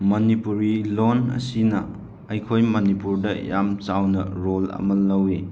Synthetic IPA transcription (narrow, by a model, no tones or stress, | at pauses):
mɐnipuɾilonɐ̰sinɐ | ɐjkʰojmɐnipuɾdɐjamt͡ʃawnɐɾolɐ̰mɐlːɐwi